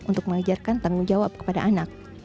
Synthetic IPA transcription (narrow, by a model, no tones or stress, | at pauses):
ʔunt̪ʊk̚məŋad͡ʒarkant̪aŋuŋd͡ʒawap̚kə̥pada̰ʔanak̚